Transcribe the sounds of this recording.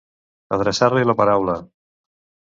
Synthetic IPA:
əðɾəsaɾliləpaɾawlə

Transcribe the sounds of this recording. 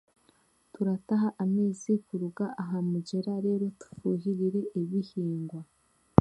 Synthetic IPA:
tuɾataɦaʔameːzikuɾuɡaʔaɦamuɟe̞ɾaɾe̞ːɾo̞tu̥fuːɦiɾiɾe̞ʔiβihiːŋɡwa

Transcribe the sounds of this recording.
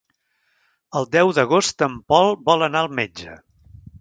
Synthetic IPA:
əlˠd̪ɛwðəɣ̞ost̪əmpɔlˠbɔlənaəlˠmed͡ʒə̰

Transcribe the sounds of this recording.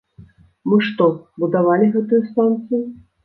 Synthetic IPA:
mɨʂt̪ɔbud̪avalʲiɣɛt̪ujust̪ant̪sɨjʊ

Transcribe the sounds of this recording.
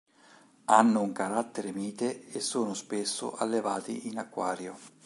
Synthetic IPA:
anːʊuŋkaɾat̪ːeɾɪmiːt̪eesːoːnʊspesːʊ̰ʔa̰lːevaːt̪ḭʔinakːwaːɾjo

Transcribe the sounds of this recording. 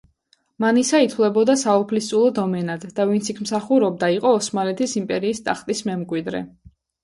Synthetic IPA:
manisait̪ʰwlɛbɔd̪asaɔpʰlist̪sʼulˠɔd̪ɔmɛnad̪̥ːavint̪sʰikʰmsaχuɾɔb̚d̪aiqʼɔːsmalɛt̪ʰisimpʼɛɾiːst̪ʼaχt̪ʼismɛmkʼwid̪ɾɛ̰

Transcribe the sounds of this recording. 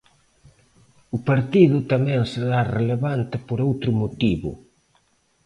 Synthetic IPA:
ʊpaɾt̪iðʊt̪amɛ̃ŋseðareleβant̪ɪpoɾowt̪ɾʊmot̪iβʊ̰

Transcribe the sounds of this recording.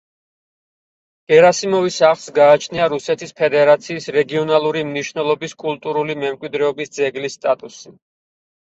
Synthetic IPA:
ɡ̥ɛɾasimɔvisaχlˠsɡaːt͡ʃʰniaɾusɛt̪ʰispʰɛd̪ɛɾat̪sʰiːsɾɛɡiɔnalˠuɾimniʃnɛlˠɔbiskʼulˠt̪ʼuɾulimɛmkʼwid̪ɾɛɔbisd̪zɛɡlisːt̪ʼat̪ʼusi

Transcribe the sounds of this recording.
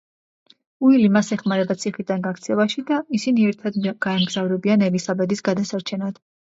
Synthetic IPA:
uilimasɛχmaɾɛbat̪sʰiχid̪anɡakt̪sʰɛlˠaʃid̪aisiniɛɾt̪ʰad̪ɡ̥aɛmɡzavɾɛbianɛvisabɛd̪isɡad̪asaɾt͡ʃʰɛnad̪̥

